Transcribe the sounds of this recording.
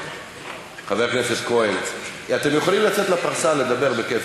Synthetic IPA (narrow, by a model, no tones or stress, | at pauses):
χave̞kneseskoeniat̪emjeχolimlat͡set̪lapaʁsale̞d̪abe̞ʁbekef